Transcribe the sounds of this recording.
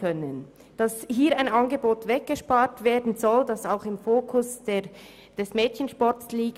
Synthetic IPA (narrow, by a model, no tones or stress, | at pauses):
œnən | d̥ɑshiːɐaɪnɑnɡəboːtvɛk̚ɡ̥əʃpaːtv̥eːɐdn̩zɔldɑsaʊxɪmfoːkʰʊsde | d̥ɛsmɛːtçənʃpɔɾtsliːk